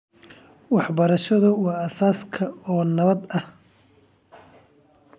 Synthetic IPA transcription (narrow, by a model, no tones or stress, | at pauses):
wɑħbɐɾɐʃɐðʊwɑːɐsaːskʰɐɔːnɐβɐd̪ɐh